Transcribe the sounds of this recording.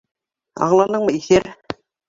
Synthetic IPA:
ɑ̰ɴlˠɑnɤɴmɤiθæɾ

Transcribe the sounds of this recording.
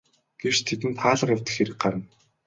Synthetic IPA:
ɡ̥ew̥t͡ɕt̪ʰet̪ɘ̆nt̪ʰaːɮə̆qjawʲt̪ɘ̆xeɾɘ̆k̚ɢaɾə̆n

